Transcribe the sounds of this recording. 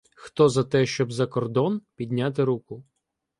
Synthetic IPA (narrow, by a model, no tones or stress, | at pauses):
xt̪ɔzɐt̪ɛʃt͡ʃɔbzɐkɔrd̪ɔnpʲid̪ʲnʲat̪̬ɪɾukʊ